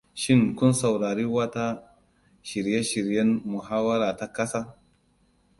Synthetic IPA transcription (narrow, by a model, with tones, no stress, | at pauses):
ʃɪ˦˨ŋkʊ˦nsɐ˨wɽaː˨ɾiː˦wɐ˦ta˦ | ʃɪ˨ɾje˦ʃɪ˨ɾjɐ˦nmʊ˨ɦaː˦wɐ˦ɾaː˨ta˦kɐ˦saː˦